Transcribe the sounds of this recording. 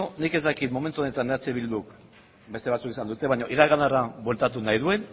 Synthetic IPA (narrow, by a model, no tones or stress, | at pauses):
nike̞zd̪akit̪mo̞me̞nt̪uo̞ne̞t̪aneat͡seβild̪uk | be̞st̪eat͡sukisand̪ut̪e̞βajɲo̞ʔiɾaɣanarabwe̞lt̪at̪unajðue̞n